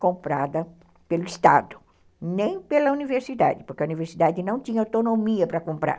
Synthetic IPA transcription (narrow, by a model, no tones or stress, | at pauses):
kõmpɾad̪ɐ | pelʊist̪a̰d̪ʊ | nẽj̃pelɐuniveɾsid̪a̰d̪ɪpoɾkeɐuniveɾsid̪ad̪ɪnɐ̃w̃t̪ĩɲɐawt̪onomiɐpɾɐkõmpɾa̰ɾ